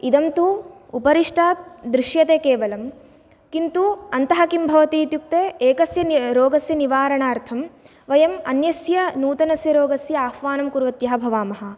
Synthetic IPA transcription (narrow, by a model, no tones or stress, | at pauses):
id̪ɐmt̪u | upɐɾiʂʈʰaːd̪ɾiʃjɐt̪eːkeːʋɐlɐm | kint̪uɐnt̪ɐɦɐkimbʱɐʋɐt̪iːt̪juk̚t̪eːeːkɐsjɐɾoːɡɐsjɐniʋaːɾɐɳaːɾt̪ʰɐm | ʋɐjɐmɐnjɐsjɐnuːt̪ɐnɐsjɐɾoːɡɐsjɐaːhʋaːnɐmkuɾʋɐt̪jɐɦɐbʱɐʋaːmɐɦɐ̆